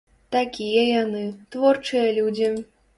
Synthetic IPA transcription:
t̪akʲijɛjanɨt̪vɔrt͡ʂɨjɐlʲud͡zʲi

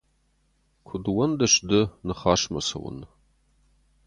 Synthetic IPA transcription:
kʷʰʊdwɐndɐʃdɨnɨχaːʂmɐsɐ̰wʊ̰n

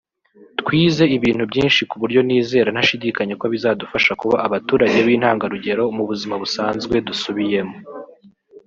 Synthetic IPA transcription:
tkwiːze̞iβiːn̥hubɟiːnʃikuβuɾɟo̞niːze̞ːɾanhaʃidiːkaɲe̞kwoβizadufaʃakuβaʔːβatuːɾaɟe̞βiːn̥haːŋɡaɾuɟe̞ɾo̞muβuzimaβusaːnzɡwe̞dusuβije̞mo

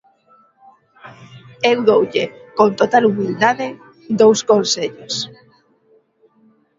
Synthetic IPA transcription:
ewðowʎekont̪ot̪alumild̪aðɪ | d̪owskõnseʎos

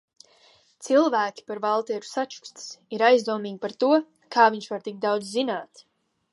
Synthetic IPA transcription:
t̪silˠvæːkʲi̥paɾvalˠt̪ɛːɾu̥sat͡ʃu̥kst̪i̥siɾajzd̪uɔmiːɡʲipaɾt̪uɔ | kʰaːviɲʃvaɾt̪ik̚d̪awd̪zzinaːt̪

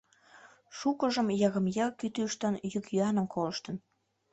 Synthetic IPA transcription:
ʃukəʒəmjɑɣə̆mjɑkyt̪yʃt̪ənjykjyɑnəmkʰoləʃt̪ə̆n

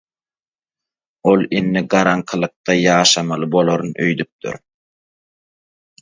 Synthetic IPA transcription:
olˠinːiɡɑɾɑŋqʰɯlˠɯq̚t̪ɑjɑːʃɑmɑlˠɯbo̞lˠoɾunʔø̰jd̪yp̚t̪y̰ɾ

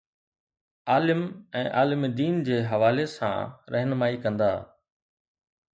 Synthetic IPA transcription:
aːlɪmɛ̃ːʔaːlɪmid̪iːnd͡ʑeːɦɐʋaːlesã̰ːɾʔɛɦnmaːikɐ̃nd̪aː

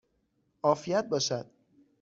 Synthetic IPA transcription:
ʔɒːfijæt̪̚bɒːʃæd̪̥̚

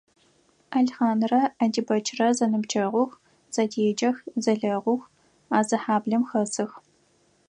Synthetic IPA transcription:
ɐɮχaːnrɐɐdibɐt͡ʃʰrɐzɐnɨbt͡ʃʰɐʁʷʊx | z̥ɐdeːd͡ʒɐxzɐɮɐʁʷʊx | aːzɐħaːbɮɐmxɐsɨx

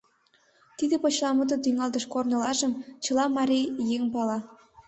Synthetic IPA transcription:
t̪id̪ĕpot͡ɕlɑmut̪ət̪yŋɑld̪ə̆ʃkornə̆lɑʒəmt͡ɕə̆lɑmɑɾijeŋpɑlɑ

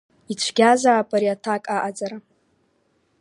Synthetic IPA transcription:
it͡ɕʷʰɡʲazaːpʼaɾiatʰakʼaʔad͡zaɾa

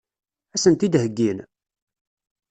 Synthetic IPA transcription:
æsənt̪id̪həɡːin

